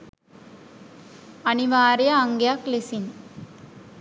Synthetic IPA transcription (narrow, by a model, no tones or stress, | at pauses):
ɐniʋaːɾijɐːŋɡejaklesin